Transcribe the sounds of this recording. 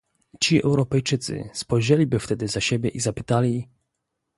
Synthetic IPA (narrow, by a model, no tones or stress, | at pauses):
t͡ɕiɛ̰wɾɔpɛjt͡ʂɘt̪sɘ̰spɔjʒɛlʲibɘft̪ɛd̪ɘzaɕebʲjɛʔizapɘt̪alʲi